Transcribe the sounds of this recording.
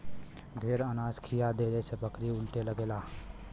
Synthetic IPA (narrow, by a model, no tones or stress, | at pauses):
d̪ʱeːɾənaːskʰɪjad̪eːɾesepəkɾiʊlʈeləɡeːlaː